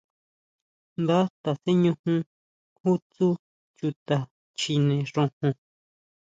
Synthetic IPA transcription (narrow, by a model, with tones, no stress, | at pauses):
nd̪a˦t̪a˨se˦ɲũ˧hũ˧ | hu˦t͡su˦ | t͡ʃu˧t̪a˨ | t͡ʃi˧nẽ˨ʐõ˧hũ˧